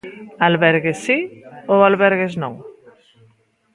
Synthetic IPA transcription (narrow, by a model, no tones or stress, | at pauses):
alβeɾɣesioalβeɾɣeznõŋ